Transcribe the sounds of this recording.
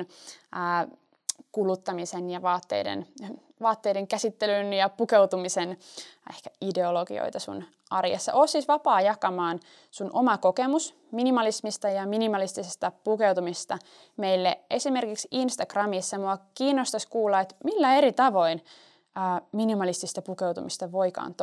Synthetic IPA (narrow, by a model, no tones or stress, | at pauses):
nəː | kulut̪ːɑmisenjɑʋɑːt̪ːḛidḛn | ʋɑːt̪ːejdeŋkæsit̪ːelynjɑpukewt̪umisenehkæide̞oloɡḭo̰jt̪ɑsṵn | ɑrjɑ̰sːɑ̰ʔoːsisʋɑpɑːjɑkɑmɑːn | sunʔomɑko̞kemus | minimɑlismist̪ɑjɑminimɑlist̪isest̪ɑpukewt̪umist̪ɑ | meilːeʔesime̞rkiksinst̪ɑɡ̥rɑmisːɑmuɑkiːnːost̪ɑskuːlːɑet̪milːæeɾit̪ɑʋo̞in | əːminimɑlist̪ist̪ɑpukewt̪umist̪ɑʋoikɑ̰ːnt̪